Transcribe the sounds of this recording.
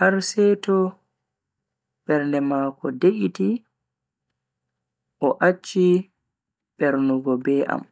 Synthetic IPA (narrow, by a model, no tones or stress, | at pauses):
haɾsɛːtɔ | ɓɛɾndɛmaːkɔdeʔiti | ʔɔʔat͡ʃːi | ɓɛɾnuɡɔbɛːʔa̰m